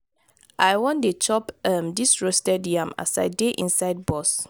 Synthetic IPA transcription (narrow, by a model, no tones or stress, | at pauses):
ʔajwɔ̃ndet͡ʃɔpamdisɹostɛdjãma̰sa̰ɪdeʔḭ̃nsaɪd̚bɔs